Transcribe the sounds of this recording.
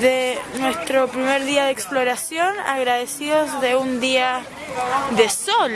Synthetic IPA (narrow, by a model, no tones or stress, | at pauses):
ðenwe̞st̪ɾopɾimeɾðiaðeːksploɾasjona̰ɣɾaðesiozðeund̪ia | ðesol